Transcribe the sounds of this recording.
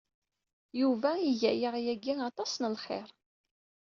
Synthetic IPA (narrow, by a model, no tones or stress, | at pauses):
juvæiʝæjəʁjæɡiɑt̪ˤɑsnəlχɪ̰ɾˤ